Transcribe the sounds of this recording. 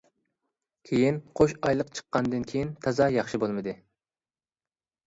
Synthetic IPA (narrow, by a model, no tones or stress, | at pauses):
kʲʰejinqʰoʃɑjlˠəqt͡ʃʰə̥qːɑnd̪ɨnkʲʰejint̪ʰɑzɑjɑχʃibolˠmɨd̪ɨ